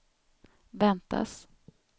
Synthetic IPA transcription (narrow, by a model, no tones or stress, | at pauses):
vɛnt̪a̰s